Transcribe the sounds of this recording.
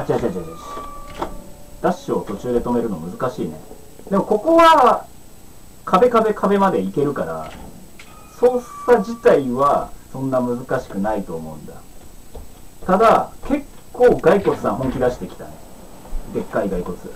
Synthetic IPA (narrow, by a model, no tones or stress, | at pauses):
at͡ɕiat͡ɕat͡ɕat͡ɕaɕ | d̪̥aɕo̞ːt̪o̞t͡ɕɨːd̪e̞t̪o̞me̞ɾɯ̟no̞mɯ̟zɨkaɕiːnḛ | d̪e̞mo̞ko̞ko̞βa | kʰabe̞kabe̞kʰabe̞mad̪e̞ike̞ɾɯ̟kaɾa̰ | so̞ːssad͡ʑit̪aiβasõ̞nːamɯ̟zɨkaɕi̥kɯ̟nait̪o̞ːmo̞ɯ̟̃nd̪a | t̪ad̪ake̞kːo̞ːɡaiko̞t͡sɨ̥sãɦõ̞ŋkʲid̪aɕi̥t̪e̞kʲi̥t̪ane | ɡ̪e̞kːaiɡaiko̞t͡sɨ